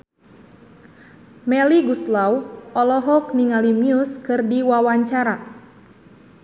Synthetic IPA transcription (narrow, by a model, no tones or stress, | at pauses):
mɛliɡuslawʔɔlɔɦɔk̚niŋalimiuskɨrdiwawaɲt͡ʃaɾa